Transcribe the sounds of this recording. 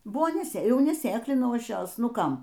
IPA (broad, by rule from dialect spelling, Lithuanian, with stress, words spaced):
ˈbʊʋoː nʲɛˈsʲeː ˈjɛʊ nʲɛˈsʲeːklʲɪnɐʊ ˈɐʃ ˈjoːs ˈnʊ ˈkɐm